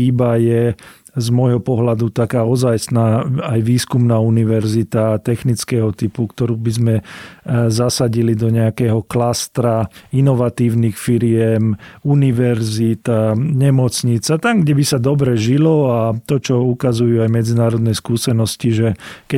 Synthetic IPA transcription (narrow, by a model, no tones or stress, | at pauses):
ibajɛ | zmɔjɦɔpɔɦlad̪ut̪akaːɔzaːjsnaːajʋiːskumnaːuniʋɛɾzit̪at̪ɛxnit͡skɛːɦɔt̪ipukt̪ɔɾuːbizmɛ | zasaɟilid̪ɔɲɛakɛːɦɔklast̪ɾainɔʋat̪iːʊnixfiɾɪɛmuniʋɛɾzit̪aɲɛmɔt͡sɲit͡sat̪amɡɟɛbisad̪ɔbɾɛʒilɔat̪ɔt͡ʃɔukazujuajmɛd͡zinaːɾɔd̪nɛskuːsɛnɔsciʒɛkɛ